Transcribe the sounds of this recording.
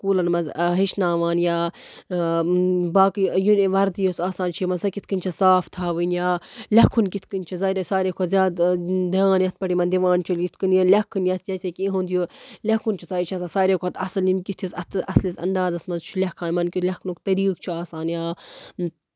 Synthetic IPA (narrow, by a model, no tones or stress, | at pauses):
kuːlɐnmɐzɦiʃnaːʋaːnjaː | baːkijuʋɐɾd̪josaːsaːnt͡ʃʰimɐnsɐkit̪ʰkɨnʲt͡ʃʰɐsaːft̪ʰaːʋɨnjaːlʲɐkʰːunkit̪ʰkɨnʲt͡ʃʰɐzaːɾesaːɾʲekʰozʲjaːd̪d̪iãːnjɐt̪̚pɐʈimɐnd̪iʋãːnt͡ʃʰulit̪ʰkɨnjɐlʲɐkʰːɨnjɐt̪ʰd͡ʒɐsekʲĩɦund̪ijolʲɐkʰunt͡ʃʰisaːɾt͡ʃʰɐsasaːɾeːkʰoɐt̪ʰɐsɐlimkit̪ʰisɐt̪ʰɐslisɐ̰nd̪aːzɐsmɐzt͡ʃʰulʲɐkʰaːnmɐnkit̪ʰlʲɐkʰunukt̪ɐɾiːkt͡ʃʰuaːsaːnjaː